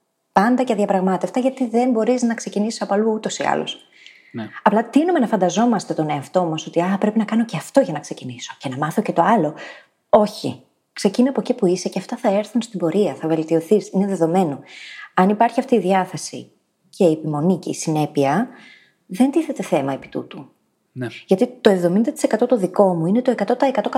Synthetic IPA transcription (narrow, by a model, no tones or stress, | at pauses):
pɐnd̪ɐceðiɐpɾɐɣmɐt̪e̞ft̪ɐʝɐt̪iðe̞mbo̞ɾiznɐkse̞cinisi̥sɐpoɐluut̪o̞siɐ̰lo̰s | ɐplɐt̪inume̞nɐfɐnd̪ɐzo̞mɐst̪e̞t̪o̞neɐft̪o̞mɐso̞t̪iɐpɾe̞pinɐkɐno̞ceɐft̪o̞ʝɐnɐkse̞ciniso̞̥ce̞nɐmɐθo̞ce̞t̪o̞ɐlo̞ | o̞çḭ | kse̞cinɐpocipuiseceɐft̪ɐθɐe̞ɾθunst̪imbo̞ɾiɐθɐve̞lt̪io̞θisineðe̞ðo̞me̞no̞ɐnipɐɾçiɐft̪iːðiɐθe̞sḭ | cʰe̞iːpimo̞niceisine̞piɐ | ðe̞nt̪iθe̞t̪e̞θe̞mɐe̞pi̥t̪ṵt̪u | ʝɐt̪it̪o̞e̞vðo̞mind̪ɐt̪i̥se̞kɐt̪o̞t̪oðiko̞muine̞t̪o̞e̞kɐt̪o̞t̪ɐekɐt̪ok